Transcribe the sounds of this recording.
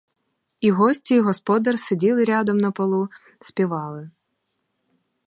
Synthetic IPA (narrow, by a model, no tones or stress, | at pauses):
iɦɔsʲtʲiiɦɔspɔd̪ɐrsedʲilˠɪɾʲɑd̪ɔmnɐpɔlˠu | sʲpʲiʋɑlˠɪ